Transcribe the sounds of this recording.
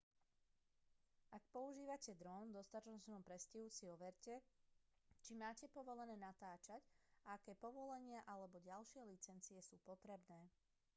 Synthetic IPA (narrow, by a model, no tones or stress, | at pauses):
ʔak̚pɔuʒiːʋacɛd̪ɾɔnd̪ɔst̪at̪ɔt͡ʃnɔmpɾɛsciɦusiɔʋɛɾcɛ | t͡ʃimaːcɛpɔʋɔlɛnɛːnat̪aːt͡ʃacaakɛːpɔʋɔlɛɲɪaʔalɛbɔɟalʃɪɛlit͡sɛnt͡siɛsuːpɔt̪ɾɛbnɛː